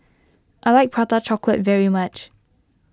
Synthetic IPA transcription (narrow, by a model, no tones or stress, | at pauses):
ʔaɪlaɪk̚pʰɹatət͡ʃɔklətvɛɹimat͡ʃ